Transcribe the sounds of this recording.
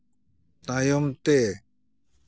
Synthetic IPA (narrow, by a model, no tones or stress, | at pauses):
t̪ajɔmt̪e